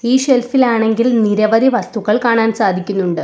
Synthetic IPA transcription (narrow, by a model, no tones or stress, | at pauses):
iːʂelfilaːɳe̞ŋɡilniɾɐʋɐd̪ʱiʋɐst̪uɣɐɭkaːɳaːnsaːd̪ʱikʲːunːuɳɖɨ